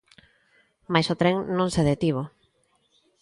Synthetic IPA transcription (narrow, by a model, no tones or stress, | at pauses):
majsot̪ɾeŋnõŋseðet̪iβ̞o